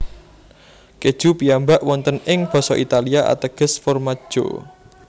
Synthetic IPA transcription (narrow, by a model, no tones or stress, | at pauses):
ked̥ʒ̥ṳpijambaʔwɔnt̪ənɪŋb̥ɔ̤sɔʔit̪aliaʔa̰t̪əɡ̥ə̤sfɔrmḁʒ̥o̰